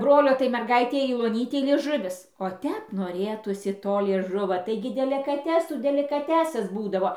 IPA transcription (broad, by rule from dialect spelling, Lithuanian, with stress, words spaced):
ˈbroːlʲoː tɐɪ mʲɛrˈɡɐɪtʲɛɪ jɛʊ oːˈnʲiːtʲɛɪ lʲiɛˈʒʊʋʲɪs oː ˈtʲɛp noːˈrʲeːtuːsʲɪ ˈtoː lʲiɛˈʒʊʋoː ˈtɐɪɡʲɪ dʲɛlʲɪkɐˈtʲæːsuː dʲɛlʲɪkɐˈtʲæːsɐs ˈbuːdɐʋoː